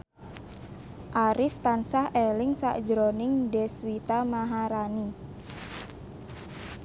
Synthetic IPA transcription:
ʔaɾɪft̪ansahelɪŋsa̰ʔd͡ʒɾonɪŋdɛswit̪amaɦaɾani

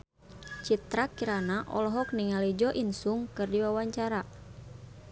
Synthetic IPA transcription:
t͡ʃit̪ɾakiɾanaʔɔ̰lɔɦɔk̚niŋalid͡ʒɔʔinsuŋkɨrdiwawaɲt͡ʃaɾa

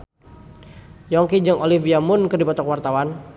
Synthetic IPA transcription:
jɔŋkid͡ʒəŋʔoliviamʊnkɨrdipɔt̪ɔkwart̪awan

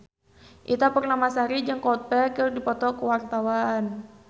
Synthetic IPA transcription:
ʔit̪apərnamasaɾid͡ʒəŋkɔt̪̚pɛkərdipɔt̪ɔkəwart̪awan

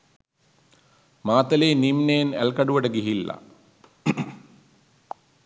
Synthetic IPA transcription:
maːt̪əleːnimnejnæ̰lkaɖuʋəʈəɡiɦilːa̰

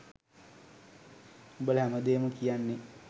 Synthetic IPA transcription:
ubələɦæməd̪eːməkijanːe

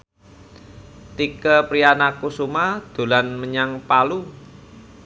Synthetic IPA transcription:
t̪ikəpɾijanakusumad̪̥o̤lanməɲaŋpalu

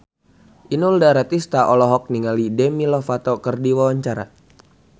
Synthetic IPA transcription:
ʔinuldaɾat̪ist̪aʔɔlɔɦɔk̚niŋalidɛmilɔfat̪ɔkərdiwawaɲt͡ʃaɾa̰

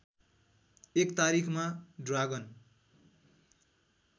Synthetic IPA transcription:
ekt̪aɾikʰmaɖraɡʌn

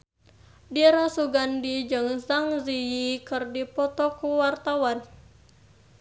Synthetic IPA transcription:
diɾasuɡandid͡ʒɨŋsaŋzijikɨrdipɔt̪ɔkuwart̪awan

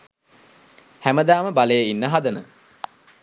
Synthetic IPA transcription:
hæməd̪aːməbaləjəinːəɦad̪ənə̰

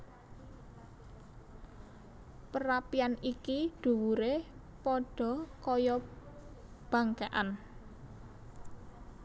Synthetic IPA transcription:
pəɾapianikiɖ̪̥ṳwuɾe | pɔɖ̥ɔ̤kɔjɔ | b̥ä̤ŋkeʔan

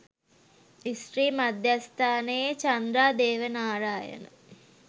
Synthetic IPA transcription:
isʈɾiːmad̪ʱjast̪ʰaːnejet͡ʃɐnd̪ɾaːd̪eːʋənaːɾaːjə̰nə̰

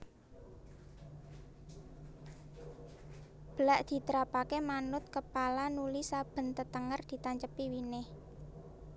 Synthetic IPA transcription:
b̥əlaʔd̪̥i̤t̪əɾapakemanʊt̪̚kəpalanulisab̥ə̤nt̪ət̪əŋərd̪̥i̤t̪aɲt͡ʃəpiwinɪh

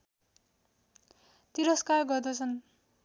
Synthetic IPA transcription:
t̪iɾʌskarɡʌrd̪ʌt͡sʰʌn

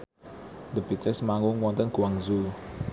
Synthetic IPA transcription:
d̪əbit̪əsmaŋuŋwɔnt̪ənɡ̥uwaŋzu

